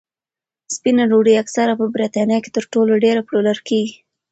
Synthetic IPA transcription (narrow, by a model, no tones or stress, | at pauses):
spinaɾoɽiaksaɾapəbɾit̪ɑnjɑke̥t̪əɾʈoloɖeɾapɽolaɾkeɡi